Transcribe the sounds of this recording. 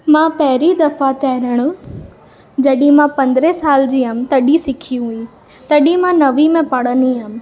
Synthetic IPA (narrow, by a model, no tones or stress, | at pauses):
mãpɐɦɪɾid̪ɐfat̪ɐɦɾəɽ̃ʊ | d͡ʑɐɗĩmãpɐ̃nd̪ɾesaːld͡ʑiːɦɐmɪ̆t̪ɐɗisɪkʰijũɦuĩ | t̪ɐɗĩmãnɐʋimẽpɐɽ̤əniɦɐmɪ̆